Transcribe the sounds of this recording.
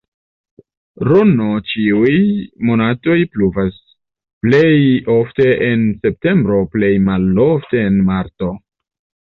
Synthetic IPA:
ɾonot͡ʃiujmo̞nato̞jpluvas | ple̞jofte̞ʔense̞p̚te̞mbɾo̞ple̞jmalofte̞ːnmaɾto̞

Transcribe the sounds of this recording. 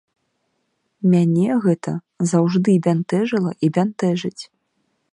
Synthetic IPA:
mʲanʲɛɣɛt̪ʰɐ | zawʐd̪ɨbʲant̪ɛʐɨlˠɐʔibʲant̪ɛʐɨt͡sʲ

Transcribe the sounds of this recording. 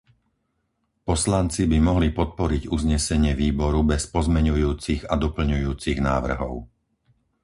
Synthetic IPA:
pɔslant͡sibimɔɦlipɔt̪̚pɔɾiɟuzɲɛsɛɲɪɛʋiːbɔɾubɛspɔzmɛɲujuːt͡siɣad̪ɔpl̩ɲujuːt͡siɣnaːʋr̩ɦɔ̰ʊ

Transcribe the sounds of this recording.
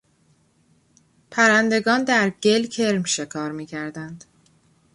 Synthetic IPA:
pʰæɾænd̪e̞ɡɒːnd̪æɾɟe̞lcʰe̞ɾmʃe̞kʰɒːɾmiːcʰæɾd̪ænd̪̥

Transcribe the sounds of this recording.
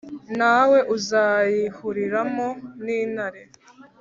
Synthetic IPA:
nawe̞ʔuzaːjihuɾiɾamo̞niːnhaɾe

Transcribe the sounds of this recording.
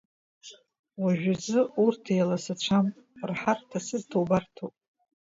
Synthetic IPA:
waʒᶣazɨurtʰejlasat͡ʃʷʰam | rħartʰasɨdtʰowbartʰopʼ

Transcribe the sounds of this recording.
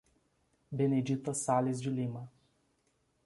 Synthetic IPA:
bened͡ʒit̪ɐsalɪzd͡ʒɪlimɐ

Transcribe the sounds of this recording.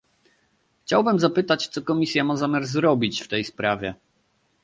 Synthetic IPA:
xt͡ɕawbɘmzapɘt̪at͡ɕt̪sɔkɔmʲisʲjamazamʲjaɾzɾɔbʲit͡ɕft̪ɛjspɾavʲjɛ

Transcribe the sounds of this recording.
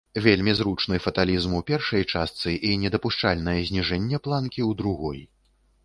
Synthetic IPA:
vʲelʲmʲizɾut͡ʂnɨjfɐt̪alʲizmupʲɛrʂɐjt͡ʂast̪sɨʔinʲɛd̪ɐpuʂt͡ʂalʲnɐjɐzʲnʲiʐɛnʲːɛplˠankʲiwd̪ɾuɣɔ̰j

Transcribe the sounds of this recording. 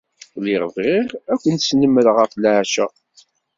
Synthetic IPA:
lɪʁəvʁiʁækʷːənsnəmːəɾʁəflʕʃæ

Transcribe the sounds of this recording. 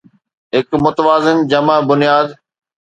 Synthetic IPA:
ɦɪkmʊt̪əʋaːzɪnd͡ʑɐməbʊnijaːd̪

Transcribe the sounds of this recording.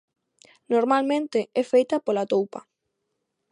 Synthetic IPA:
noɾmalmẽnt̪ɪɛfejt̪apolat̪owpa

